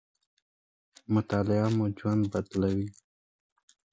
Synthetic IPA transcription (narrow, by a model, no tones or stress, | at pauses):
mʊt̪ɑlɪamud͡ʒwand̪̚bad̪lawi